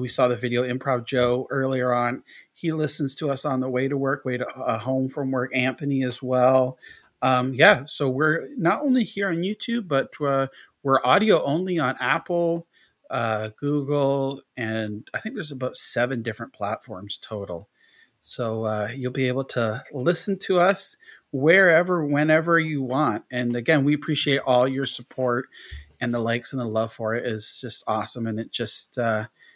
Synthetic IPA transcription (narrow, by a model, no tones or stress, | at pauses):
wisɔðɨvɪɾioʊɨ̃mpʰɹ̥ɑv̚d͡ʒoʊɜ˞lˠiə˞ə̃nilɪsɨ̃n̩z̥tʰəʌsn̩ðəweɪɾəwɜ˞kweɪɾəəhõʊ̃ɱfɹʌ̃mwɜ˞kæ̃ɱθɨniɨzwɛlˠ | ʌ̃mjæsoʊwɪɹnəɾõʊ̃nlihiɹɨ̃njʉtʰʉb̚ʌt̚ʌ | wɪɹʔɑɾioʊʔõʊ̃nliə̃næpl̩ˠ | ʌɡ̥uɡl̩ˠɨ̃naɪθɪ̃ŋk̚ðə˞zəbaʊtsɛvɨ̃ndɪfɹɨ̃npʰl̥ætfɔɹmz̥tʰoʊɾl̩ˠ | soʊʌjʉlˠbieɪbl̩ˠtʰəlɪsn̩tʰəʌs | wə˞ɛvə˞wɨ̃nɛvə˞jɨwɑ̃nt̚ɨ̃nɨɡɛ̃nwiɨpʰɹ̥iʃieɪɾʔɔlˠjə˞səpʰɔɹtɨ̃nðəlaɪksɨ̃n̩əlʌv̥fə˞ɪɾɪzd͡ʒʌstɔsə̃mɨ̃nɨt̚d̥ʒ̥ʌstʌ